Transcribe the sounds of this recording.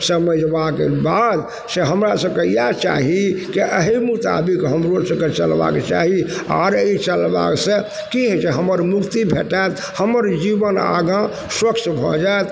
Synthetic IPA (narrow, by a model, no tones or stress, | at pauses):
səməd͡ʒbakḛbad̪ | seɦəmɾasə̃kəijat͡ʃa̰ɦikeʔəɦimut̪a̰bikɦəmɾosə̃ket͡ʃəlba̰kt͡ʃa̰ɦia̰ɾəit͡ʃəlba̰ksẽ | kiɦɛt͡ʃeɦəməɾmukt̪ibʱeʈaet̪ | həməɾd͡ʒibəna̰ɡã | swəkt͡ʃbʱɔd͡ʒaet̪